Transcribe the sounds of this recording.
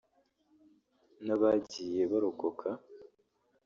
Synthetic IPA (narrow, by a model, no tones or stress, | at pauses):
naβaɟije̞βaɾokokʰa